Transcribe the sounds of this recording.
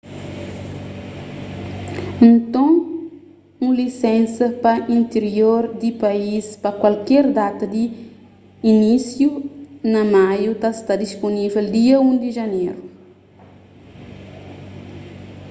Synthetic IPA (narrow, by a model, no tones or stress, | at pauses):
ẽnt̪õ | ũlisɛ̃nsɐpɐĩnt̪eɾjoɾd̪ipɐispɐkwalkɛɾd̪at̪ɐd̪iː | nisjunɐmajut̪ast̪ad̪isponiveld̪iɐũd̪iʒɐneɾu